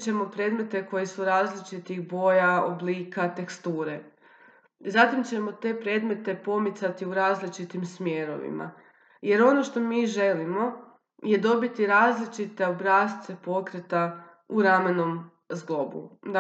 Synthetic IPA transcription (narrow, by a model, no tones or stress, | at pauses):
t͡ɕe̞mo̞pɾe̞ːd̪me̞t̪e̞ko̞jesuɾaːzlit͡ʃit̪ixbo̞ːjao̰bliːkat̪e̞kst̪uːɾe̞ | zat̪imt͡ɕe̞mo̞t̪e̞ːpɾe̞ːd̪me̞t̪e̞po̞mit̪sat̪iuɾaːzlit͡ʃit̪imsmjeɾo̞̰ʋḭma̰ | je̞ɾo̞no̞ʃt̪o̞miːʒe̞limo̞ | je̞d̪o̞bit̪iɾaːzlit͡ʃit̪e̞obɾaːst̪se̞po̞kɾet̪a | uɾameno̞m | zɡlo̞bṵ